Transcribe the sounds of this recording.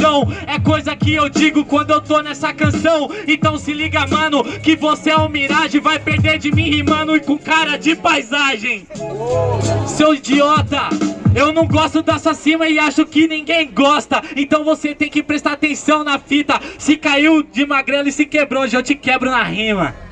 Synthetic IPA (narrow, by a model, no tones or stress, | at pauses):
t̪ɐ̃w̃ɛkojzɐkɪewd͡ʒiɡʊkwɐ̃nd̪ʊewt̪onɛsɐkɐ̃sɐ̃w̃ẽnt̪ɐ̃w̃sɪliɡamɐ̃nʊkɪvoseaʊmiɾaʒɪ̃vajpeɾd̪eɾd͡ʒɪmĩhimɐ̃nʊɪkõkaɾɐd͡ʒɪpajzaʒẽj̃ | sewid͡ʒiɔt̪ɐewnɐ̃w̃ɡɔst̪ʊd̪asasĩmɐɪaʃʊkɪnĩɡẽj̃ɡɔst̪ɐẽt̪ɐ̃w̃voset̪ẽj̃kɪpɾest̪aɾat̪ẽsɐ̃w̃nɐfit̪ɐsɪkaiwd͡ʒɪmaɡɾɛlɪsɪkebɾoʒɐ̃t͡ʃɪkɛbɾʊnɐhĩmɐ̰